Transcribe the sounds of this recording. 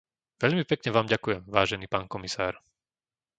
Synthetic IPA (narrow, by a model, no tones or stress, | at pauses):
ʋɛʎmipɛkɲɛʋaːmɟakujɛmʋaːʒɛniːpaːnkɔmisa̰ːɾ